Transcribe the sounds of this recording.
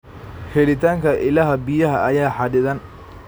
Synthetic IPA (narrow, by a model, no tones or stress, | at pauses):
hɛlɪt̪ʰaːŋkʰɐʔɪlɐɦɐbijɐɦɐɐjaːħɑdɪðɐn